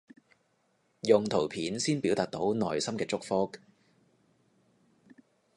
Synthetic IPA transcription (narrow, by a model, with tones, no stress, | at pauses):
jʊ˨ŋt̪ʰo˨˩wpʰiː˨˥nsiː˥npiː˨˥wt̪aː˨˩t̚t̪o˨˥wnɔː˨˩jsɐ˥mkɛː˧t͡sʊ˥k̚fɔː˥k̚